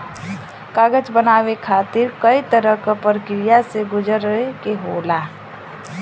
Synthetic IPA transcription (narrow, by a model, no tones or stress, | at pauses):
kaːɡəd͡ʒbənaːʋekʰaːt̪ɪɾkəit̪əɾəkpəɾəkɾijaseɡʊd͡ʒəɾekeɦoːla